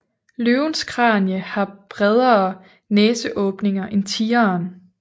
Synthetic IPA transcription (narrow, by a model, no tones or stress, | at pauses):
løʊnskʰʁɑ̈ːnjəhɑ̈b̥ʁɛð̞ˠɐː | nɛːsəʔɔ̽ːb̥ne̝ŋɐʔe̝nt͡sʰiːɐn